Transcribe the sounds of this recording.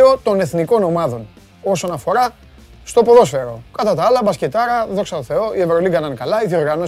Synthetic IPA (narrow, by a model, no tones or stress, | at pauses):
o̞t̪o̞ne̞θniko̞no̞mɐðo̞n | o̞so̞nɐfo̞ɾɐ | st̪o̞poðo̞sfe̞ɾo̞kɐt̪ɐt̪ɐɐlɐbɐscet̪ɐɾɐðo̞ksɐt̪oθe̞o̞ie̞vɾoliɡɐnɐnkɐlɐiθio̞ɾɣɐno̞